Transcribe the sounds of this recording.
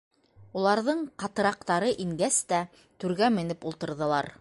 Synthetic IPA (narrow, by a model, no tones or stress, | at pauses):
ulˠɑɾðɤɴqɑt̪ɤ̆ɾɑqt̪ɑɾɤʔiŋɡæst̪æ | t̪ʉɾɡæmɘ̆nɘpulˠt̪ɤ̆ɾðɤ̆lˠɑɾ